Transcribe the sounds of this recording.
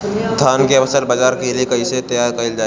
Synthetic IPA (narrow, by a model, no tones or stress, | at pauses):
st̪ʰaːnkeɐʋəsəlbəd͡ʒaːɾkeliekɐiset̪ɐjaːɾkɐɪld͡ʒaː